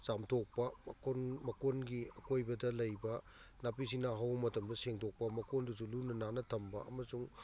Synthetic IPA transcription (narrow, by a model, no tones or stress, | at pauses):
zamtʰok̚pɐkonmɐkonɡiɐkojbɐdɐlɐjbɐ | nap̬is̬inaɦawmɐtɐmdɐseŋtʰok̚pɐmɐkondusulunɐnanɐtʰɐmbɐʔɐ̰mɐsuŋ